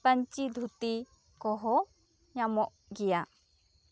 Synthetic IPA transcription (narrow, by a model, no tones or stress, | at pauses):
pəɲt͡ʃid̪ʱut̪i | kɔɦɔ | ɲamɔʔ | ɡɛja